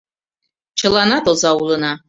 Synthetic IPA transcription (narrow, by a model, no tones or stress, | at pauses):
t͡ʃʰɨlanat̪ozawulɨna